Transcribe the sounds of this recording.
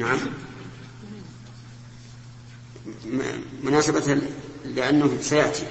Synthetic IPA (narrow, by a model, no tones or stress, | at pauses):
naʕam | mʊnaːsabat̪lɪʔanːahsajaʔt̪ḭ